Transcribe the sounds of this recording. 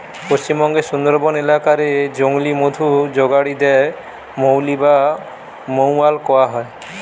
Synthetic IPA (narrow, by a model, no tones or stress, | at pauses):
post͡ʃimɔŋɡesund̪ɔɾbɔnelakaɾed͡ʒoŋlimod̪ʱud͡ʒoɡaɽid̪ɛe | mowliba | mowalkɔaɦɔe